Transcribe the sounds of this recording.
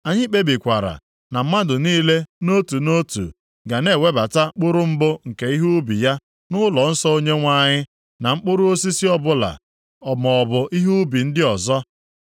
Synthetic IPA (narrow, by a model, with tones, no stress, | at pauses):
a˨ɲɪ˦k͡pe˦bi˨kʷa˨ɾa̰˨ | na˨m̩˦ma˦dʊ˨niː˦le˦no˦tu˨no˦tṵ˨ | ɡa˨ne˦˨we˦ba˨ta˦k͡pʊ˦ɾʊ˦m̩˦bʊ˦ŋ̩˨ke˨i˦ɦu˦bḭ˨ja˦ | nʊ˦lɔ˨n̩˦sɔ˦o˦ɲe˦ŋʷa˦˨ɲɪ˦ | na˨ŋ͡m̩˦k͡pʊ˦ɾʊ˦o˦si˦si˦ɔ˦bʊ˦la̰˨ | ɔ˨mɔ˨ɔ˨bʊ˨ʔi˦ɦu˦bi˨n̩˦dɪ˦ɔ˨zɔ˦